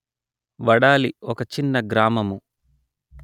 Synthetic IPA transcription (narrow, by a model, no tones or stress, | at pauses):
ʋɐɽaːliɔkɐt͡ʃinːɐɡɾaːmɐmu